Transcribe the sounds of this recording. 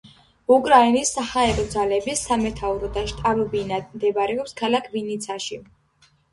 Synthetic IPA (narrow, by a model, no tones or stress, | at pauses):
ukʼɾainisːahaɛɾɔd̪zalɛbisamɛt̪ʰauɾɔd̪aʃt̪ʼabɔbinad̪md̪ɛbaɾɛɔpskʰalakʰvinit̪sʰaʃi